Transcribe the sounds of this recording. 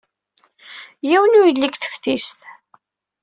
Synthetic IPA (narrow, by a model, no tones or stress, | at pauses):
jiwənujəlːikθə̥fθist̪